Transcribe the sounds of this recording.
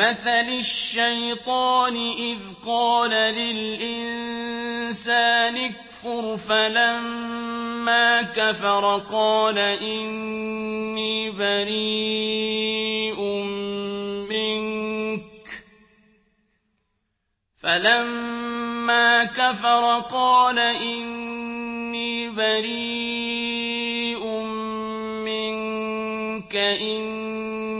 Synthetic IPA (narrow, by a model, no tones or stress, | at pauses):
maθalʊʃːajt̪ˤɑːnɪʔɪðqɑːlalɪlʔɪn | saːnɪkfʊɾfalamː | aːkafɑɾˤqɑːlaʔɪnː | iːbaɾi | ʔʊm | mɪŋk | falamː | aːkafɑɾˤqɑːlaʔɪnː | iːbaɾiː | ʔʊm | mɪŋ | kaʔɪn